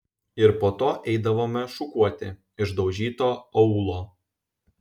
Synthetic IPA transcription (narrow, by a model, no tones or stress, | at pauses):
ɪɾpoːt̪oːʔɛɪd̪ɐʋoːmʲɛʃʊkuɔt̪ʲɪ̰ | ɪʒd̪ɒʊʒʲiːt̪oːɔʊlˠoː